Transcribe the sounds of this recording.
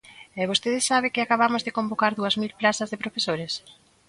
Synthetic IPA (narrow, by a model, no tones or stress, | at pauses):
ɛβ̞ost̪eðesaβ̞ɪkɪakaβ̞amozðekombokaɾðuɐzmilplaθɐzðepɾofesoɾes